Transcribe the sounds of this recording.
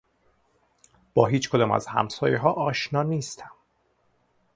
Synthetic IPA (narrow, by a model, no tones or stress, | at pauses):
b̥ɒːɦiːt͡ʃkʰod̪ɒːmæ̰zhæ̰msɒːjeɦɒːʔɒːʃnɒːniːst̪ʰæm